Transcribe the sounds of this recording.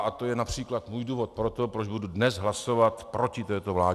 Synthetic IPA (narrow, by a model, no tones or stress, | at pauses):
ʔat̪o̞jɛnapr̝̥iːklat̪muːjduːvo̞t̪̚pɾo̞t̪o̞pɾod͡ʒbududnɛsɦlaso̞vat̪pɾo̞cɪt̪ɛːt̪ovlaː